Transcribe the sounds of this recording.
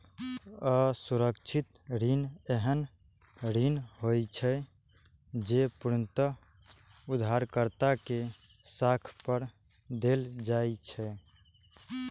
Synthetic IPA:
əsuɾəkt͡ʃʰit̪ɾineɦən | ɾinhojt͡ʃʰɛ | d͡ʒepuɾənt̪ə | ud̪ʱaɾkəɾt̪ake | sakʰpəɾ | d̪eld͡ʒajt͡ʃʰɛ

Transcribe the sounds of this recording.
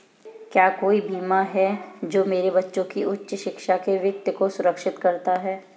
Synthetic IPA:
kjaːkoːibʱiːmaɦɛd͡ʒoːmeːɾebɐtːʃõkiʔʊtːʃʃɪkʃakeʋjɐk̚t̪əkosʊɾəkʃɪt̪kɐɾt̪aɦɛː

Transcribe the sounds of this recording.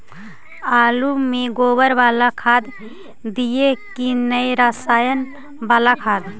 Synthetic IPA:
alumeɡobəɾbalakʰad̪ | d̪ijekinəjɾasajən | baːlakʰad̪

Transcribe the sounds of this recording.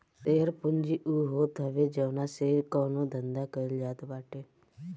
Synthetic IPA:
seːəɾpʊnd͡ʒiʔuɦoːt̪ɦəʋed͡ʒəʋnaseːɾkɔːnõːd̪ʱə̃nd̪akəɪld͡ʒaːt̪baːʈeː

